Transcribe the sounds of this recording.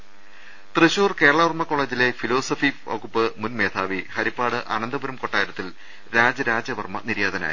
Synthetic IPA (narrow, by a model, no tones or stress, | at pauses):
t̪rɨɕuːrke̞ːɾɐɭɐʋɐrmɐkːo̞ɭeːd͡ʑile̞filo̞ːsɐfioɣupːɨmunme̞ːt̪ʰaːʋihɐɾipːaːɽɨʔɐ̰nɐnd̪ɐbɐɾɐmko̞ʈːaːjɾɐt̪ːil | ɾaːd͡ʑɐɾaːd͡ʑɐʋɐrmɐ̰niɾjaːd̪ɐna̰ːji